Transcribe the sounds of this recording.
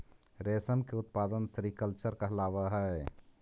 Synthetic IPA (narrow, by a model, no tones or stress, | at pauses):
ɾeːsəmkeʊt̪̚paːd̪ənsɾikəlt͡ʃəɾkaɦɛlaːʋaɦɛ